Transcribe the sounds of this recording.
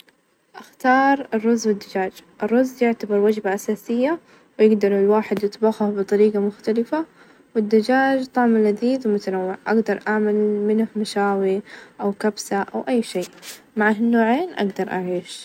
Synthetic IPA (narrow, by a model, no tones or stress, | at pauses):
ʔaxt̪ɑːɾˤɪrˤːʊzːwɪd̪ːad͡ʒaːd͡ʒʔɪrˤːʊzːjɪʕt̪abɑɾˤwad͡ʒbaʔasaːsɪjːa | wjɪɡd̪ɑɾˤɪlwaːħɪd̪jɨt̪ˤbɑxʊhbɨt̪ˤɑɾiːɡamʊxt̪alɪfa | wɪd̪ːad͡ʒaːd͡ʒt̪ˤɑʕmɪlaðiːðwmʊt̪anawːɪʕʔaɡd̪ɑɾˤʔaʕmalmɪnhmaʃaːwiʔawkabsaʔa̰wʔajːʃiːʔ | maʕaɦnːoːʕeːnʔa̰ɡd̪ɑɾˤʔaʕiːʃ